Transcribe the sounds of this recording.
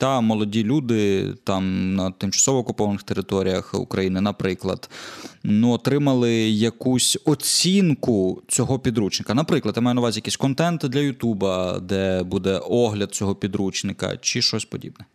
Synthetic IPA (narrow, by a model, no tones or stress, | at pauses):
t̪ɑmɔlˠɔdʲilʲud̪ɪt̪ɑmnɐt̪ɪmt͡ʃɐ̥sɔʋɔːkʊpɔʋɐnɪxt̪eɾɪt̪ɔɾʲijɐxṵkɾɐjinɪnɐpɾɪklˠɐ̰d̪̥nuɔt̪ɾɪmɐlˠɪjɐkusʲɔt͡sʲinkʊt͡sʲɔɦɔpʲid̪ɾut͡ʃnɪkɐnɐpɾɪklˠɐd̪jamajɛnɐʋazʲijɐkisʲkɔnt̪ɛnt̪d̪lʲɐjʊt̪ubɐd̪ɛbud̪ɛʔɔɦlʲɐd̪̚t͡sʲɔɦɔpʲid̪ɾut͡ʃnɪkɐ̰t͡ʃɪʃt͡ʃɔsʲpɔdʲḭbnɛ